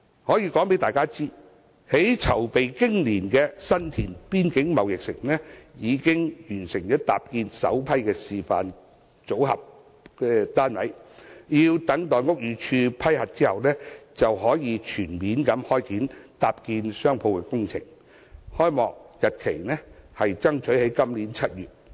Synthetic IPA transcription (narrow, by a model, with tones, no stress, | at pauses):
hɔː˨˥jiː˧kɔː˨˥ŋpe˨˥jt̪aː˨jkaː˥t͡siː˥ | he˨˥jt͡sʰɐ˨˩wpe˨jkɪ˥ŋliː˨˩nkɛː˧sɐ˥nt̪ʰiː˨˩npiː˥nkɪ˨˥ŋmɐ˨wjɪ˨k̚sɪ˨˩ŋnɛː˥jiː˨˧kɪ˥ŋjyː˨˩nsɪ˨˩ŋjɔː˨˥t̪a̰ː˨p̚kiː˧nsɐ̰˨˥wpʰɐ˥jkɛː˧siː˨fa̰ː˨n | t͡so˨˥wɦɐ̰˨p̚ | kɛː˧t̪aː˥nwɐ˨˥jjiː˧wt̪ɐ˨˥ŋt̪ɔː˨˩nŋʊ˥k̚jyː˨t͡ʃʰyː˧pʰɐ˥jhɐ˨t̚t͡siː˥hɐ˨wnɛː˥t͡sɐ˨wɦɔː˨˥jiː˨˧t͡ʃʰyː˨˩nmiː˨˥nkɐ˨˧˥mhɔː˥jkiː˨˥nt̪aː˨p̚kiː˧nsœː˥ŋpʰo˧wkɛ˧kʊ˥ŋt͡sʰɪ̰˨˩ŋ | hɔː˥jmɔː˨˩k̚jɐ˨t̚kʰe˨˩jnɛ˥hɐ˨jt͡sɐ˥ŋt͡ʃʰɵ˨˥ɥhe˨˥jkɐ˥mliː˨˥nt͡ʃʰɐ˥t̚jyː˨˩t̚